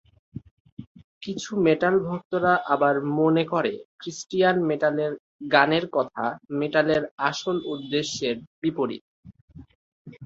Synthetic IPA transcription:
kit͡ɕʰumeʈalbʱok̚t̪oɾaʔabaɾmonekoɾekɾisʈijanmeʈaleɾ | ɡaneɾkɔt̪ʰameʈaleɾaʃolud̪ːeʃːeɾbipoɾḭt̪

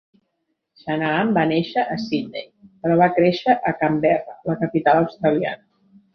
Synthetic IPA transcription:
ʃanaambaneʃəʔːsinːḛjpəɾɔβakɾeʃəʔəkambɛrə̰ləkəpit̪aləwst̪ɾəlia̰nə

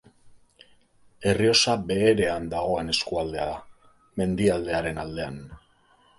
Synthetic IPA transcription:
e̞rio̞sabe̞ːɾe̞and̪aɣ̞o̞e̞ne̞skuald̪e̞aða | me̞nd̪iald̪e̞aɾe̞nald̪e̞an

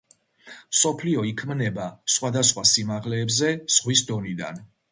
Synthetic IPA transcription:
msɔpʰliɔikʰmnɛbasχwad̪asχwasimaʁlɛːbzɛz̥ʁwisd̪ɔnid̪a̰n

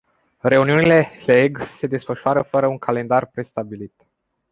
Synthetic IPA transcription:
re̞uniunile̞heeɡse̞d̪e̞sfəʃuaɾəfəɾəuŋkʰale̞nd̪arpɾe̞st̪abilit̪

